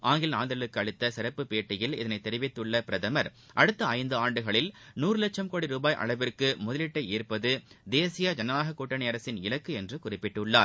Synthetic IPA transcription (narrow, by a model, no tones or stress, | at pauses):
ʔaːŋɡɪlnaːnd̪ɐɭɯkːɯɐɻɯt̪ːɐsɪɾɐpːɯpeːʈːɪjɪlɪ̰ðɐnɐɪt̪ːɛɾɪʋɪt̪ːɯɭːɐpɪɾɐðɐmɐɾ | ʔɐɽɯt̪ːɐɐɪnd̪ɯaːɳɖɯɣɐɭɪlnuːɾɯlɐt͡ʃːɐmkoːɽiɾuːbaːjʔɐ̰ɭɐʋɪrkɯmʊðɐlɪʈːɐiːɾpɐðɯd̪eːsɪjad͡ʒɐnɐnaːɣɐkuːʈːɐɳɪjɐɾɐsɪnɪɭɐkːɯɛndrɯkʊrɪpːɪʈːɯɭːa̰ːɾ